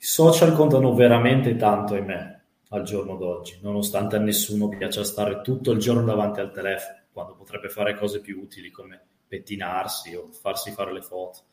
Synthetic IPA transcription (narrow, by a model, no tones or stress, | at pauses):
isɔːt͡ʃalkont̪anoveɾament̪et̪ant̪oajme | ald͡ʒornod̪ɔd͡ʒːinonost̪ant̪eanːesːuːnopjat͡ʃast̪aːɾet̪ut̪ːoild͡ʒornod̪avant̪ialt̪elɛfonokwand̪opot̪ɾɛbːefaːɾekɔːzepjuuːt̪ilikome | pet̪ːinarsiofarsifaːɾelefɔːt̪o̥